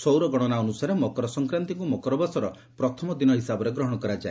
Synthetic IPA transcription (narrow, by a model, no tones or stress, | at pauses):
sowɾɔɡɔɽ̃ɔnaɔnusaɾemɔkɔɾɔsɔŋkɾant̪iŋkumɔkɔɾɔbasɔɾɔ | pɾɔt̪ʰɔmɔd̪inɔɦisabɔɾeɡɾɔɦɔɽ̃ɔkɔɾad͡ʒae